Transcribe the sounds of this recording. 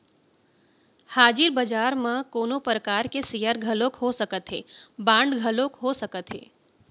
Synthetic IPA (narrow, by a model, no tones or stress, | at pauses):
haːd͡ʒɪɾbəd͡ʒaːɾmẽkoːnopɾəkaːɾkesijəɾɡʱəlokɦosəkət̪ɦḛːbãːɳɖɡʱəlõkɦosɐkət̪ɦḛː